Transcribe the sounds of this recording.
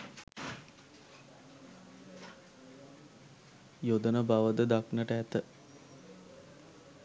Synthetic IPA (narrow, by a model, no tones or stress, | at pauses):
jod̪ənəbaʋəd̪əd̪aknəʈəæt̪ə